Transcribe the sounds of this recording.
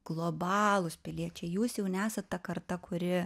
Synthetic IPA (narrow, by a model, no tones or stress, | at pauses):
ɡ̥lˠoːbɑːlˠʊspʲɪlʲiɛt͡ʃʲɛɪjuːsjɛʊnʲæːsɐt̪t̪ɐkɐrt̪ɐkʊɾʲɪ